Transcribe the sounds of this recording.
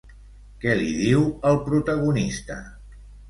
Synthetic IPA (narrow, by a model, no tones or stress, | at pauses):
kɛlḭðiwəlˠpɾut̪əɣ̞unist̪ə̰